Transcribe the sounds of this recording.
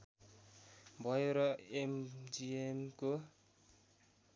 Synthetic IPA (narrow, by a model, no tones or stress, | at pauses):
bɔjoɾɔemd͡ʒiemko